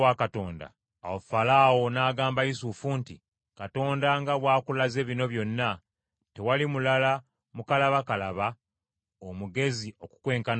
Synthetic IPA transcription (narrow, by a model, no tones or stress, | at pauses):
wakato̞ːnda̰ː | wofalaːwo̞naːɡaːmbaisufuntḭ | kato̞ːndaŋɡaβwaːkulaze̞ːβino̞βjo̞nːa | te̞walimulala | mukalaβakalaβa | omuɡe̞zio̞ku̥kwe̞ːŋkan